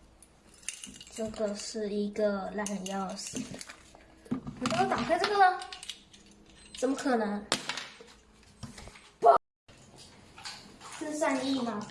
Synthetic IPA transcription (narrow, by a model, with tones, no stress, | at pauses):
ʈ͡ʂɤ˥˧ɡə˨˩ʂɻ̩˥˩i˧˥ɡə˧la˥˩ʈ͡ʂʰə˨˩njɑ˥˩s | i˨˩t̪ə˥t̪ɑ˨˩ŋfʰe˥˧ɪʈ͡ʂɤ˥˩ɡə˨˩ə˧ | ʈ͡ʂə˨˩mə˦kʰɤ˨˩nə˧˦ŋ | po˥ | s̩˥˧sa˥˧ni˥˩mɐ˨